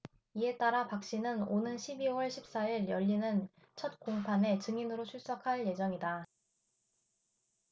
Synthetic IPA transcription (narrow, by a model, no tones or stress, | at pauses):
ie̞t͈aɾapak̚ɕ͈inɯnonɯnɕʰibiwʌɭɕʰip̚s͈aiɾjʌʎːinɯn | t͡ɕʰʌt̚koŋpʰane̞t͡ɕɯŋinɯɾot͡ɕʰuɭs͈akʰaɭje̞d͡ʑʌŋida